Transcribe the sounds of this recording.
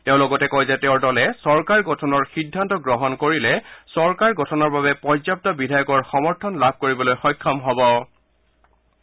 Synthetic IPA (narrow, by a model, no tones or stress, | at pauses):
tɛʊ̃lɔɡɔtɛkɔjzɛtɛʊɹdɔlɛsɔɹkaɹɡʱɔtʰɔnɔɹxidʱːantɔɡɹɔɦɔnkoɹilɛsɔɹkaɹɡɔtʰɔnɔɹbabɛpɔɹzap̚tɔbidʱajɔkɔɹxɔmɔɹtʰɔnlab̚ʱkoɹibɔlojxɔjkʰːɔmɦɔbɔ